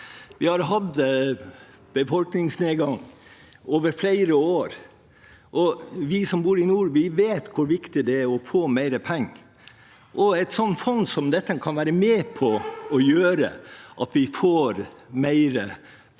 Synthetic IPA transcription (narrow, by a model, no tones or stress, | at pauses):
ʋɪhɑɾɦɑd̪ | b̥əfɔlknɪŋsneːɡɑŋː | oːʋəɾflæɪɾəoːɾ | ʔɔʋɪsɔmbuːɾɪnuːɾbɪʋeːt̪kʰʊɾʋɪkt̪ɪd̪ɛæɾɔfoːmæɪɾəpʰɛŋː | ʔɔɛɪt̪sɔnfɔnsɔmd̪ɛt̪ːəkʰɑnʋæːɾəmeːpʰɔɔjøːɾə̰ʔɑt̪ʋɪfoːɾmæɪɾə